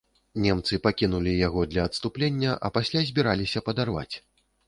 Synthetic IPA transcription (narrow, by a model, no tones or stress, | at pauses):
nʲɛmt̪sɨpakʲinulʲijaɣɔd̪lʲɐːt̪st̪uplʲenʲːɐʔɐ̰pasʲlʲazʲbʲiɾalʲisʲɐpɐd̪arva̰t͡sʲ